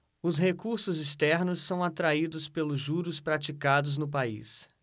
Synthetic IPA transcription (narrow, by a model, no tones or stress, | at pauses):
ʊshekuɾsʊzist̪ɛɾnʊsːɐ̃w̃at̪ɾaid̪ʊspelʊʒuɾʊspɾat͡ʃikad̪ʊznʊp̬aḭs